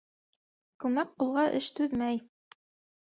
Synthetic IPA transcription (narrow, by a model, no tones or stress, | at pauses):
kʉmæk̚qulˠʁɑʔɘʃt̪ʉðmæj